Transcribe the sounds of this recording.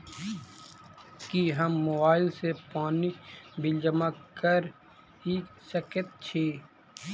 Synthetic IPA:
kiɦəmːoːbaːɪlsepaːnibid͡ʒəməkkːəɾ | isəkət̪̚t͡ʃʰeː

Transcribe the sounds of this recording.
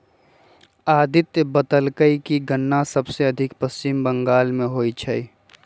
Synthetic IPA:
aːd̪ɪt̪bət̪əlkəikiɡənːasɐbseɐd̪ʱɪkpəst͡ʃɪmbə̃ŋɡaːlmẽɦoːit͡ʃʰəi

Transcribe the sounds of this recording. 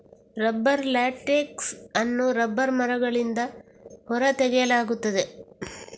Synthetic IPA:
ɾɐbːɐɾlaːʈːeːksɐnːuɾɐbːɐɾmɐɾɐɡɐɭind̪ɐ | hɔɾɐt̪ɛɡɛjɐlaːɡut̪ːɐd̪e

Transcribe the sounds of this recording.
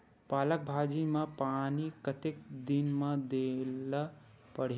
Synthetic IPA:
paːlək̚bʱaːd͡ʒimẽpanikət̪ekd̪inmẽd̪ela | pəɽ̤i

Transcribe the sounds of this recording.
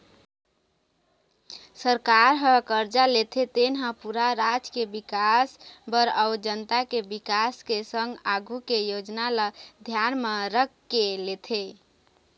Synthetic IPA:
səɾkaɾɦə̃kəɾd͡ʒalet̪ʰet̪enɦə̃puɾaɾad͡ʒkebikasbəɾaʊd͡ʒənt̪akebikaskesəŋɡaɡʱukejod͡ʒnaləd̪ʱjanmeɾəkːelet̪ʰe

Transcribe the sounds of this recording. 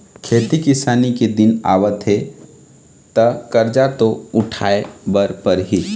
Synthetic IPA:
kʰeːt̪ikɪsaːniked̪ɪna̰ːʋət̪ɦe | t̪ɐkɐɾd͡ʒat̪oʊʈʰaːebəɾpəɾɦi

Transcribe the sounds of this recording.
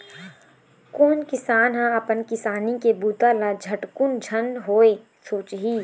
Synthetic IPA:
koːnkɪsaːnɦãɐpənkɪsaːnikebuːt̪alad͡ʒʱəʈkʊnd͡ʒʱənɦoːe | soːt͡ʃɦiː

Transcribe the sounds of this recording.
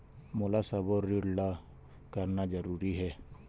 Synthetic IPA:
mɔlasabɔɾːiɽla | kəɾnad͡ʒəɾuɾiɦɛ

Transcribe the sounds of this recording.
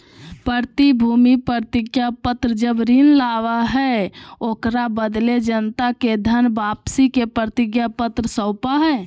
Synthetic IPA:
pəɾt̪ibʱuːmipɾəɾt̪ɪɡjapət̪ɾəd͡ʒəbɾiːnlaːʋaɦɛːoːkɾabəd̪led͡ʒənt̪aked̪ʱənbaːpsikepɾəɾt̪ɪɡjapət̪ɾəsəwpaɦɛː

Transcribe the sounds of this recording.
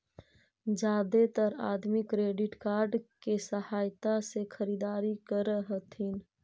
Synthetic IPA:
d͡ʒaːd̪et̪əɾa̰ːd̪mikɾeːɖɪʈkaːɾɖkesəhaːjt̪asekʰəɾiːd̪aːɾikəɾəɦət̪ʰin

